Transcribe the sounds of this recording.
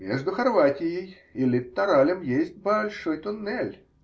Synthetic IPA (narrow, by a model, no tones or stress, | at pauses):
mʲeʐd̪ʊxɐrvatʲɪjɪj | ɪlʲɪt̪ːɐɾalʲəmjesʲt̚ʲbɐlʲʂo̞jt̪ʊnːɛlʲ